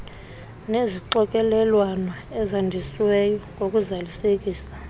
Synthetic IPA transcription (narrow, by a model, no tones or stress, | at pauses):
neziǃɔkʼɛlɛlwanɔɛzandʱiswɛjɔŋʱokʼuzalisekʼiːsḁ